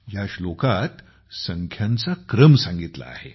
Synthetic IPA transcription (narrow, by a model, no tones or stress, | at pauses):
jaɕlokat̪ | səŋkʰjãnt͡sakɾəmsãŋɡit̪la̰a̰he